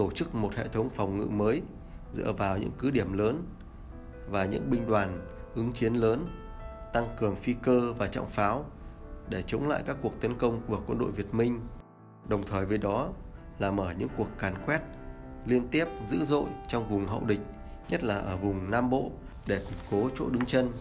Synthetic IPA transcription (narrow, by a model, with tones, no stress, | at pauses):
t̪o˧˩t͡ɕɨ˦˥k̚mo˨˩t̚hḛ˧˨t̪ʰə˨˦wŋ͡mfɔ˨˩wŋ͡mŋɨ̰˧˨məː˨˦j | zɨ̰˧˥əvaː˨˩wɲɨ̰˧˥ŋkɨ˨˦ɗi˧˩əmləː˨˦n | vaː˨˩ɲɨ̰˧˥ŋɓï˧ŋ̟ɗwaː˨˩nʔɨ˨˦ŋt͡ɕi˨˦ənləː˨˦n | t̪a˧ŋkɨ˨˩əŋfi˧kəː˧vaː˨˩t͡ɕa̰˧˨wŋ͡mfaː˨˦wɗe˧˩t͡ɕə˨˦wŋ͡mla̰ː˧˨jkaː˦˥kːu˨˩ək̚t̪ə˨˦nkə˧wŋ͡mku˧˩əkwə˧nɗo̰˧˨jvi˨˩ət̚mï˧ŋ̟ | ɗə˨˩wŋ͡mt̪ʰəː˨˩jveː˨˦jɗɔ˨˦ | laː˨˩məː˧˩ɲɨ̰˧˥ŋku˨˩əkːaː˨˩nkwɛ˦˥t̚ | li˧ənt̪i˦˥əp̚zɨ̰˧˥zo̰˧˨jt͡ɕɔ˧wŋ͡mvʊ˨˩ŋ͡mɦə̰˧˨wɗï˨˩k̟̚ | ɲə˦˥t̚laː˨˩ʔəː˧˩vʊ˨˩ŋ͡mnaː˧mɓo̰˧˨ | ɗe˧˩kʊ˨˩t̚ko˨˦t͡ɕo̰˧˥ɗɨ˨˦ŋt͡ɕə˧n